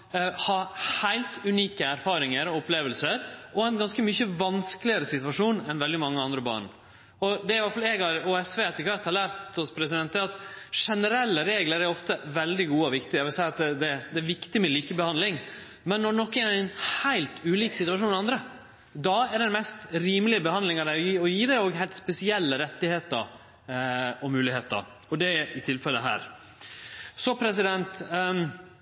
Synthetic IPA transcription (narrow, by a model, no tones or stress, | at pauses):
hɑhæɪlt̪ʉniːkəæɾfɑːɾɪŋəɾɔʊpleːʋəlsəɾʔɔɛnɡɑnskəmʏçəʋɑnsklɪəɾəsɪt̪ʉʋɑʂuːnɛnʋɛld̪ɪmɑŋːəɑnd̪ɾəbɑ̰ːɳ | ɔd̪ɛæɾʋɑɾfɑlɛːɡhɑɾuːɛsʋeːɛt̪ːəkʰʋæɾt̪hɑlæːɾt̪ɔspʰɾɛsɪd̪ɛnt̪əɑt̪ʂɛnəɾɛlːəɾeːɡləɾæɾɔft̪əʋɛld̪ɪɡuːəɔʋɪkt̪ɪɑʋɪlsæɪɑt̪̚d̪ɛd̪ɛd̪ɛːʋɪkt̪ɪmɛliːkəbəhɑnd̪lɪŋ | mɛnːɔnɔkːɛnæɾɪnhæɪlt̪ʉːliːksɪt̪ʉɑʂuːnɑnd̪ɾə | d̪ɑæɖɛnmɛst̪ɾiːməlɪəbəhɑnd̪lɪŋɑd̪æɪɔjiːɔjiːd̪æoːɡɦæɪlt̪spɛsɪɛlːəɾɛt̪ːɪheːt̪əɾ | ɔmʉːlɪheːt̪ə̰ɾ | ɔd̪ɛʔɪt̪ʰɪlfɛlːəɦæ̰ːɾ | sɔpʰɾɛsɪd̪ɛnt̪